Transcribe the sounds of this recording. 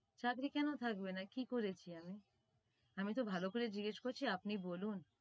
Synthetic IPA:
t͡ɕakɾikɛnot̪ʰak̚benakikoɾet͡ɕʰiami | amit̪obʱalokoɾed͡ʑiɡeʃkoɾt͡ɕʰiapnibolun

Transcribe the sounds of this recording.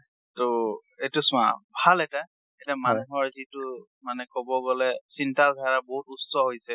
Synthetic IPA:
to | etʊsʊ̃a̰bʱalɛta | etamanuɦɔɹzitʊ | manɛkɔbɔɡɔlɛsintalɡʱaɹaboɦutusɔɦojsɛ

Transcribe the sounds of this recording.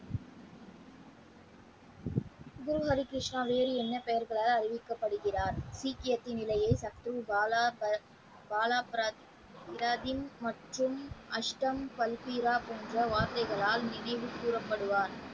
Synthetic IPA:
ɡʊɾɯɦɐɾɪkɾɪʂɳaːʋeːɾiɛnːɐpɛjɐɾɣɐɭaːlɐrɪʋɪkːɐpːɐɽɯɣɪraːɾsiːkɪjɐt̪ːinɪlɐjɐɪsɐk̚t̪ɾɯ | baːlaːpː | ɪɾaːðɪmːɐʈrɯmʔɐʂʈɐmpɐlpiːɾaːpoːndrɐʋaːɾt̪ɐɪɣɐɭaːlnɪnɐɪʋɯpːuːrɐpːɐɽɯʋaːn

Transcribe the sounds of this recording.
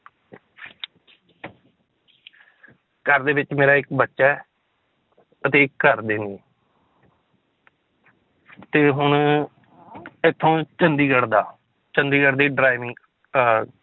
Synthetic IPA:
kəɾd̪eːʋɪt͡ʃmeːɾaːɪkbətːʃɛː | ət̪eːɪkːəɾd̪eːniː | t̪eːɦʊɳ | ɪt̪ʰːõːt͡ʃənd̪iːɡəɽd̪aː | t͡ʃənd̪iːɡəɾd̪iːɖɾaːɪʋɪ̃ŋɡ

